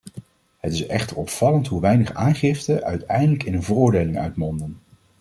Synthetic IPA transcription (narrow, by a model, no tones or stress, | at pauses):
hətɪsɛχtəɹɔpfɑləntɦuʋɛjnəχaːnχɪftəʔœ̰ɥtɛ̰jndələkɪnənvərʊːɹdejlɪŋœ̰ɥtmɔndən